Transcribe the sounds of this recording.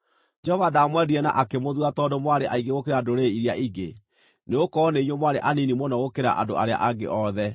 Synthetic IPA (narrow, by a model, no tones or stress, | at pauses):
d͡ʒɔvadamwɛdiɾɛna̰ʔakemoðwatɔdomwaɾeʔaiɡeɣokeɾadoɾeiɾiaʔiɡe | neokɔneiɲwomwaɾeʔaninimɔnɔɣokeɾa̰ʔa̰ndoʔaɾea̰ʔaɡḛʔɔðɛ